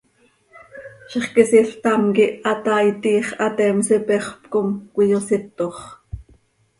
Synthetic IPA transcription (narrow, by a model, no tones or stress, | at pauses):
ʃeχkisiɬt̪ɑmkiʔɑt̪ɑːit̪iːχʔɑt̪ɛːmsipɛχpkomkʷijosɪt̪oχ